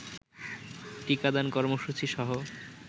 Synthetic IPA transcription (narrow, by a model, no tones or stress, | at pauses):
ʈikad̪ankɔɾmoʃut͡ɕiʃɔɦo